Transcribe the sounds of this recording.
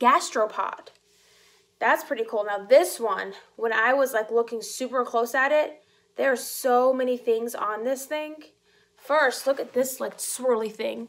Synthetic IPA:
ɡ̥æstɹ̥oʊpʰɑ̰d̥ | ðætspʰɹ̥ɪɾikʰulˠnaʊðɪswʌ̃nwə̃naɪwʌzlaɪklʊkɪ̃ŋsʉpə˞kʰl̥oʊsɨɾɪt̪̚ | ðə˞ːsoʊmɛñiθɪ̃ŋzn̩ðɪsθɪ̃ŋ | fɜ˞stˡlʊkɨt̪̚ðɪslaɪkswɜ˞lˠiθɪ̰̃ŋ

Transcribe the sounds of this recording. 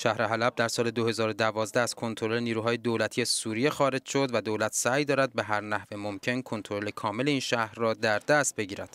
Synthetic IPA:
ʃæhɾeɦælæb̚d̪æɾsɒːle̞d̪o̞he̞zɒːɾod̪ævɒːzd̪ææz̥kʰo̞nt̪ʰoɾoleniːɾuːɦɒːjed̪oːlæt̪ʰiːesuːɾijexɒːɾe̞d͡ʒʃo̞d̪væd̪oːlæt̪ʰsæːjd̪ɒːɾæd̪̚beɦæɾnæhvemo̞mcʰe̞nkʰo̞nt̪ʰoɾo̞le̞kʰɒːme̞leiːnʃæhɾːɒːd̪æɾd̪æst̪̚be̞ɟiːɾæd̪̥

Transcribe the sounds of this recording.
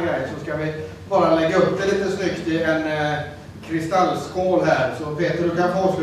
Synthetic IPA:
ɡɾɛjsɔskavɪ | bɑːɾalɛɡːaɵp̚d̪ɛliːt̪əsnʏkt̪ɪɛn | kʰɾɪst̪alːskʰoːlɦæːɾsɔpʰeːt̪əɖɵkanfɔːʂʉ

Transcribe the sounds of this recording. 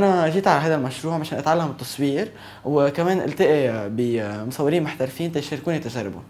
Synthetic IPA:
ʔanaʒiːt̪ʕalaɦajd̪almaʃɾuːʕmaʃeːnʔat̪ʕalːamɪt̪ːɑsˤwiːɾ | wkameːnʔɪ̰lt̪ɪʔibimʊsˤɑwːɪɾiːnmʊħt̪aɾfiːnt̪ajʃɑɾkuːnjat̪aʒarˤːɪbṵn

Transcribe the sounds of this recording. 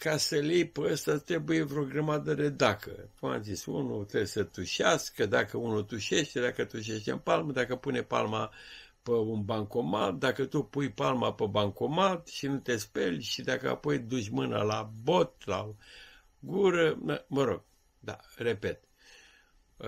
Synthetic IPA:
kasəlejpəəst̪at̪ɾe̞bujevɾo̞ɡɾəmad̪əd̪e̞d̪akə̰kuma̰zisṵnut̪ɾebsət̪uʃaskəd̪akəunut̪uʃe̞ʃt̪e̞d̪akət̪uʃ̬e̞ʃt̪enpalməd̪akəpunepa̰lma | pəunbaŋko̞ma̰t̪̚d̪akət̪upujpalmapebaŋkomat̪ʃinut̪e̞spe̞lʲʃid̪akəa̰po̞jd̪ut͡ʃʲmɨna̰labo̞t̪la̰ | ɡuɾənəməɾo̞̰ɡ̥̚ | d̪a̰re̞pe̞t̪̚

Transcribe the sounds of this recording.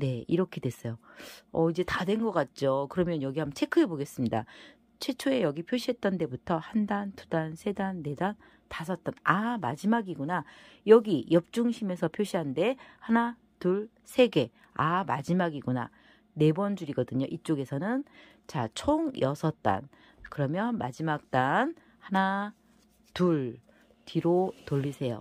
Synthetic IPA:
ne̞iɾʌkʰe̞dwe̞s͈ʌjoʌid͡ʑe̞tadwe̞nɡʌk͈at̚t͡ɕ͈okɯɾʌmjʌnjʌɡiɦambt͡ɕʰe̞kʰɯeboɡe̞s͈ɯmɲida̰ | t͡ɕʰwe̞t͡ɕʰoe̞jʌɡipʰjoɕʰiɦe̞t̚t͈ʌnde̞butʰʌhandantudansʰe̞danːe̞dan | tasʰʌt̚t͈anamad͡ʑimaɡiɡunajʌɡijʌp̚t͡ɕ͈uŋɕʰime̞sʰʌpʰjoɕʰiɦande̞hana | tuɭ | sʰe̞ɡe̞ | ama̰d͡ʑimaɡiɡuna̰ | ne̞bʌnd͡ʑuɾiɡʌdɯɲoʔit͡ɕ͈oɡe̞sʰʌnɯn | t͡ɕat͡ɕʰoŋjʌsʰʌt̚t͈a̰n | kɯɾʌmjʌnma̰d͡ʑimak̚t͈an | hana | tuɭ | tiɾotoʎːisʰe̞jo̰

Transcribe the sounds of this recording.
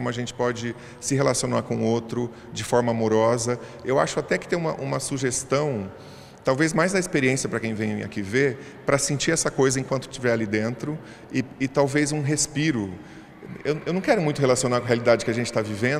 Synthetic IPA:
kõmʊɐʒẽnt͡ʃɪ̥pɔd͡ʒɪ | sɪɦelasionaɾkõowt̪ɾʊ | d͡ʒɪfɔɾmɐamoɾɔzɐewaʃʊat̪ɛkɪ̥t̪ẽj̃ũmɐʔũmɐsuʒest̪ɐ̃w̃ | t̪awvezmajzd̪ɐispeɾiẽsiɐpɾɐkẽj̃vẽj̃a̰kive | pɾɐsẽnt͡ʃiɾɛsɐkojzɐẽkwɐ̃nt̪ʊ̥t͡ʃivɛɾalid̪ẽnt̪ɾʊ | ɪɪt̪awvezũɦespiɾʊ | ḛwnewnɐ̃w̃kɛɾʊmũj̃t̪ʊɦelasionaɾkw̃ɐɦealid̪ad͡ʒɪkɪaʒẽnt͡ʃɪt̪avivẽ

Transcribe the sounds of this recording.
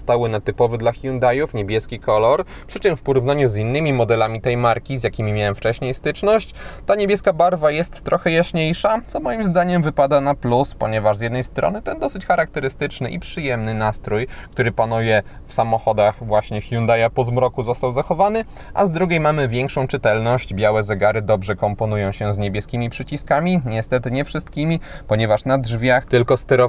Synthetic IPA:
st̪awɘnat̪ɘpɔvɘd̪laxʲjund̪ajufɲebʲjɛskʲikʰɔlɔɾ | ppʂɘt͡ʂɘmfpɔɾuvnaɲuzinːɘmʲimɔd̪ɛlamʲit̪ɛjmaɾkʲizjakʲimʲimʲjawɛmft͡ʂɛɕɲejst̪ɘt͡ʂnɔɕt͡ɕt̪aɲebʲjɛskabaɾvajɛst̪ːɾʔɔxɛjaɕɲejʂat̪sɔmɔjimzd̪aɲɛmvɘpad̪anapluspɔɲɛvaʐzjɛd̪nɛjst̪ɾɔ̰nɘt̪ɛnd̪ɔsɘt͡ɕxaɾak̚t̪ɛɾɘst̪ɘt͡ʂnɘʔipʂɘjɛmnɘnast̪ɾujkt̪uɾɘpanujɛ | fsamɔxɔd̪axvwaɕɲɛxjund̪ajapɔzmɾɔkuzɔst̪awzaxɔvanɘ | ʔa̰zd̪ɾuɡʲejmamɘvʲjɛŋkʂɔ̃w̃t͡ʂɘt̪ɛlnɔɕd͡ʑbʲjawɛzɛɡaɾɘd̪ɔbʐɛkɔmpɔnujɔ̃w̃ɕɛzɲebʲjɛskʲimʲipʂɘt͡ɕiskamʲiɲɛst̪ɛt̪ɘɲɛfʂɘst̪̚kʲimʲipɔɲɛvaʂnadʐvʲjaxt̪ɘlkɔst̪ɛɾɔ

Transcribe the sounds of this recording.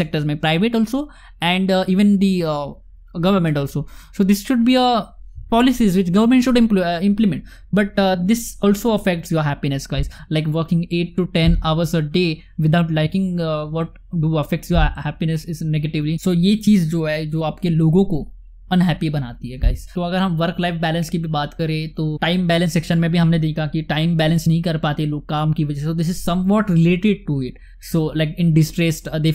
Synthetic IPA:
sɛk̚ʈəɾzmẽpɾaɪʋeʈɔːlso | ɛ̃ɳɖiːʋə̃nd̪i | ɡʌʋəɾmẽɳʈɔːlsosoːd̪ɪsʃʊɖ̚biəpɔːlɪsizʋɪt͡ʃɡɐʋəɾmẽɳʈʃʊɖɪ̃mpɪ̃mplɪmɛ̃ɳʈ | bɐʈd̪ɪsɔːlsoɐfɛk̚ʈsjoːɾɦæpinɛsɡaɪzlaɪkʋəɾkɪ̃ŋɡeːʈːuʈɛ̃naʋəɾsəɖe | ʋɪd̪aʊʈlaɪkɪ̃ŋʋɔːʈ̚ | ɖuɐfɛk̚ʈsjoːɾhɛːpinəsɪzneɡeʈɪʋlisoːjet͡ʃiːzd͡ʒoːɦɛd͡ʒoːaːpkeloːɡõko | ɐ̃nɦɛːpibɐnaːt̪iɦɛɡa̰ːɪzt̪oɐɡəɾɦɐ̃mʋɐɾklaɪfbɛːlə̃nskibʱibaːt̪kɐɾẽːt̪oːʈaːɪmbɛːlə̃nsɛkʃənmẽbʱiɦɐmned̪eːkʰakiʈãːɪ̃mbɛːlə̃nsnɐɦĩkɐɾpaːt̪eloːɡ̚kaːmkiʋɐd͡ʒɛsɛsod̪ɪs̬ɪzsɐ̃mʋɔːʈɾɪleːʈɪɖ̚ʈuɪʈ | soːlaɪkɪ̃nɖɪsʈɾesʈd̪eː

